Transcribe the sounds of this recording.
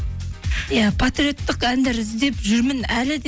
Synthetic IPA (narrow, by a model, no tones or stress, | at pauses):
japʰat̪ɾijo̞t̪ːɪqænd̪eɾɪzd̪e̞pʒʏɾmɪnælɪd̪